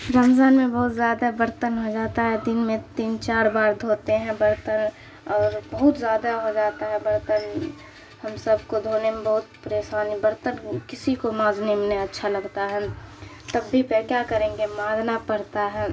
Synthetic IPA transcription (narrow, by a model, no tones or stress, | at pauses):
ɾaːmzaːnmẽbɐɦʊt̪zjaːd̪abəɾt̪ənɦod͡ʒaːt̪aɦɛd̪ɪnmẽt̪iːnt͡ʃaːɾbaːɾd̪ʱoːt̪eɦɛ̃bəɾt̪ən | ɔːɾbɐɦʊt̪zjaːd̪aɦod͡ʒaːt̪aɦɛbəɾt̪ən | hɐmsəbkod̪ʱoːnemẽbɐɦʊt̪pəɾeːsaːnibəɾt̪ənkɪsikomãːznimneɐtːʃʰalɐɡt̪aɦɛ̃ | t̪ɐbːipekjaːkəɾẽːɡemãːznapɐɾt̪aɦɛː